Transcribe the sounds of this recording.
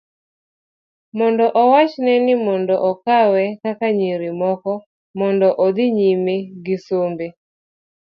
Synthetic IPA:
mɔndɔʔɔwat͡ʃnɛnɪmɔndɔʔɔkawɛkakaɲeɾimɔkɔ | mɔndɔʔɔd̪ɪɲimeɡɪsombe

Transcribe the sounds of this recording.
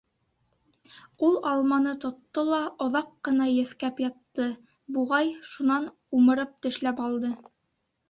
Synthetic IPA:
ulˠɑlˠmɑnɤt̪ŏt̪ːolˠɑŏðɑqːɤ̆nɑjɘ̆θkæpjɑt̪ːɤ | buʁɑjʃunɑn | umɤ̆ɾɤp̚t̪ɘ̆ʃlæpɑlˠd̪ɤ

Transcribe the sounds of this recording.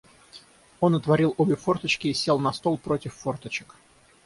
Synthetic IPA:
o̞nət̪vɐɾʲilˠobʲɪfo̞rt̪ət͡ɕkʲɪːsʲelˠnɐst̪o̞lˠpɾo̞tʲɪfːo̞rt̪ət͡ɕɪ̥k

